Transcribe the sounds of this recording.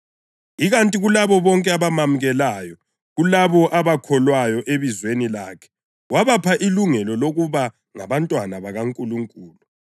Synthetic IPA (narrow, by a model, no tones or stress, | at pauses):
iɣantʼiɣulaβɔβɔŋkʼɛaβamamuɣɛlaːjɔ | ɣulaβɔʔaβakʰɔlwajɔʔeβizwenilaːkʰɛ̥ | waβapʰaʔiluŋɛlɔloɣuβa | ŋa̰βantʼwanaβaɣaŋkʼuluŋkʼuːlu